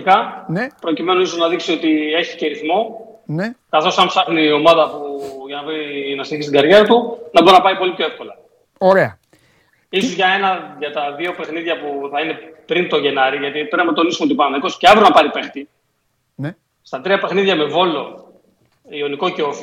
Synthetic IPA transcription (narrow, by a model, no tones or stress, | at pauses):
ikɐpɾo̞cime̞noiso̞znɐðiksio̞t̪ie̞çi̥ceɾiθmo̞nkɐθo̞sɐmpsɐxnio̞mɐðɐpuʝɐnɐveinɐsçist̪iɡɐɾʝe̞ɾɐt̪unɐbɾinɐpɐipo̞lipço̞efko̞lɐ | oɾeɐ | iso̞zʝɐe̞nɐʝɐt̪ɐðio̞pe̞xniðʝɐpuθɐine̞pɾint̪o̞ʝe̞nɐɾiʝɐt̪ipɾepinɐt̪o̞nisumot̪ipɐnmeko̞sceɐvɾonɐpɐɾipe̞xt̪i | n | st̪ɐt̪ɾiɐpe̞xniðʝɐme̞vo̞lo̞ | io̞niko̞ceof